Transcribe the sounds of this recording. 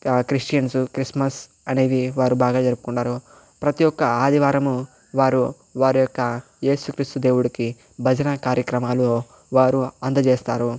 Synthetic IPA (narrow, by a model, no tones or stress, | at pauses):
kɾisʈjɐnsukɾismɐs | ɐne̞ːd̪iʋaːɾubaːɡaːd͡ʒɐɾupu̥kuɳːaːɾu | pɾɐt̪ijɔkːɐaːd̪ʱiʋaːɾɐmu | ʋaːɾu | ʋaːɾujɔkːɐ | je̞ːsukɾiːst̪ud̪e̞ːwuɽiki | bʱɐd͡ʒɐnɐkaːɾjɐkɾɐmaːlo | ʋaːɾuɐnd̪ɐd͡ʒeːst̪aːɾu